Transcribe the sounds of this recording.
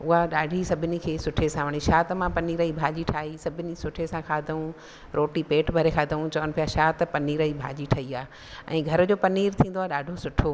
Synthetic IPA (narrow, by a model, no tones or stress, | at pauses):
ʊɦaɗaːɖʱisɐbʱɪnikʰeːsʊʈʰesãʋɐɽ̃iʃaːt̪mãpɐniːɾəibʱaːd͡ʑiʈʰaːɦisɐbʱɪnisʊʈʰesãkʰaːd̪ʱɐũ | ɾoːʈipeːʈbʱɐɾekʰaːd̪ʱɐũt͡ɕɐʋənɪ̆pijaʃaːt̪pɐniːɾəibʱa̰ːd͡ʑiʈʰɐiaː | ɛ̰̃ːɡʱɐɾd͡ʑoːpɐniːɾt̪ʰĩːn̆d̪oaːɗaːɖʱosʊʈʰo